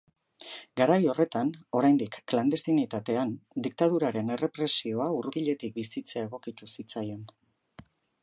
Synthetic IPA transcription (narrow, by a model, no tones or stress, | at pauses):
ɡaɾajo̞re̞t̪ano̞ɾajnd̪ikːland̪e̞st̪init̪at̪e̞and̪ik̚t̪að̞uɾaɾe̞ne̞re̞pɾe̞sio̞aurβiʎe̞t̪ik̚bisit͡seae̞ɣ̞o̞kit̪usit͡sajo̞n